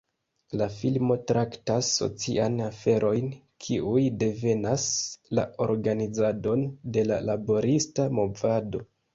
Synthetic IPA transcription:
lafilmo̞tɾʔaktasːo̞̰t͡sḭʔanafe̞ɾʔo̞jn | kʰiʔujde̞ve̞nasla̰o̞̰ɾɡanid͡zado̞nde̞lalabo̞ɾistamo̞vado̞

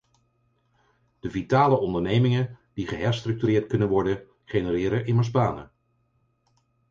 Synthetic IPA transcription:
d̥əvitaːləɔndəɹnejmɪŋəd̥iχəɦɛɹstrɵk̚tyrɪːɹtkɵnənʋɔɹdən | χenəɾɪːɾəʔɪməɹzbaːnə̰

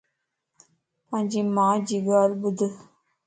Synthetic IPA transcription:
pãɲd͡ʒimãːd͡ʒiɡaːlbud̪

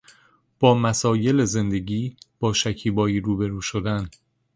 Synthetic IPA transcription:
b̥ɒːmæsɒːje̞leze̞nd̪e̞ɟiːb̥ɒːʃæcʰiːbɒːiːɾuːbe̞ɾuːʃod̪æn

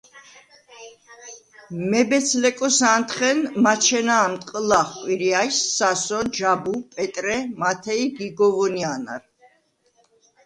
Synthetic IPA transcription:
mɛbɛt̪sʰlɛkʼɔsant̪ʰχɛnmat͡ʃʰɛnaːmt̪ʼqʼlaχkʼwiɾiajsːasɔd͡ʒabupʼɛt̪ʼɾɛmat̪ʰɛiɡiɡɔvɔniana̰ɾ

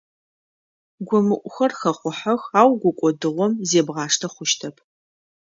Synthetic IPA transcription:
ɡʷɔmɨʔʷʼʊxɐrxɐχʷʊħɐxaːwɡʷʊkʷʼɔdɨʁʷɔmzeːbʁɑːʂtʰɐχʷʊʃtʰɐpʰ

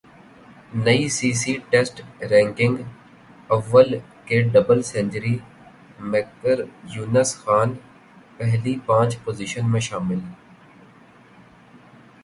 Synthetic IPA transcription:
nɐisiːsiʈeːsʈɾɛ̃ːŋkɪ̃ŋɡ | ɐʋːəlkeɖɐbəlsɛ̃ːɲd͡ʒəɾi | meːkəɾjuːnəsxaːn | pɛɦlipãːt͡ʃpoːziʃənmẽʃaːmɪl

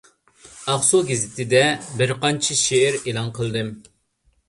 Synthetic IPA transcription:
ɑχsoɡʲɪzɪt̪ʰɪd̪ɛbɪɾqɑnt͡ʃʰɪʃeːɾelˠɑnqʰəlˠd̪ɨm

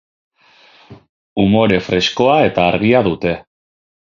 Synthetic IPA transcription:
umo̞ɾe̞fɾe̞sko̞ae̞t̪aːɾɣ̞iaðut̪e̞

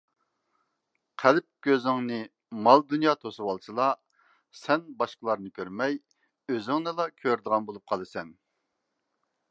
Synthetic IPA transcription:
qʰælp̚ɡ̥ʲøzɪŋnɨ | mɑlˠd̪unjɑːt̪ʰosuwɑlˠsɨlˠɑ | sɛnbɑʃqəlˠɑɾnɨkʲʰøɾmɛj | øzɪŋnɨlˠɑkʲʰøɾd̪əʁɑnbolˠup̚qʰɑlˠɨsɛn

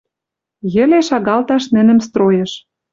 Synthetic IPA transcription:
jɘ̆leʃɑɣɑlt̪ɑʃnɘ̆nə̆mst̪rojɤ̆ʃ

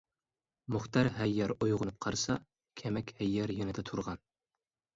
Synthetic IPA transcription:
mʊχt̪ʰɑɾɦæjːɛɾujʁʊnɨp̚qʰɑɾsɑ | kʲʰemɛkʲhɛjːæɾjønɪd̪ɛt̪ʰuɾʁɑn

